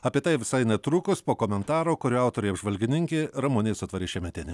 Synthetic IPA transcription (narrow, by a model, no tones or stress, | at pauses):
ɐpʲiɛt̪ɐɪʋʲɪsɐɪnʲɛt̪ɾukʊspoːkoːmʲɛnt̪ɑːɾoːkʊɾʲuɐˑʊt̪oːɾʲʊjɐbʒʋɐlʲɡʲɪnʲɪŋʲkʲeɪɾɐmʊnʲɛɪsʊt̪ʋɐɾʲɪːʃʲɛmʲɛt̪ʲɪnʲɪ